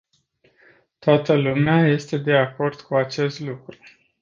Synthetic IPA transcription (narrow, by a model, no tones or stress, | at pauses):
t̪oat̪əlumeaje̞st̪e̞d̪e̞ako̞rd̪̥kʰuat͡ʃe̞st̪lukɾu